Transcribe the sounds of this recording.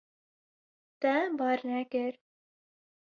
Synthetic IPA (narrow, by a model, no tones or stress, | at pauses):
t̪ɛbɑːɾnɛkɪɾ